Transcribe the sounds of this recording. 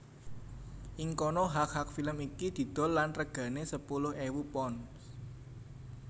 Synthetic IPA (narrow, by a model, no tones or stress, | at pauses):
ʔiŋkonɔɦak̚hak̚filəmikid̪̥i̤d̪̥ɔ̤lːanrəɡ̥ä̤nesəpulʊhewupɔn